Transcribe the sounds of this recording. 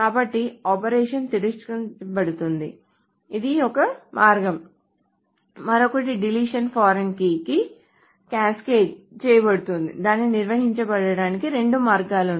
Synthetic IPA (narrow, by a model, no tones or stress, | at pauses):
kaːbɐʈːiaːpɐɾɛːʂɐnt̪iɾusʈkɐbɐɽut̪und̪i | id̪iɔkɐmʔaːɾɡɐm | mɐɾokɐʈ̬iɖiliːʂɐnpʰaːɾɐnkiki | kaːskeːd͡ʒt͡ʃɛːjɐbɐɽut̪und̪ḭd̪aːnːiniɾʋɐɦiɲt͡ʃɐbɐɽɐɽaːnikiɾe̞ɳɖumaːɾɡaːlu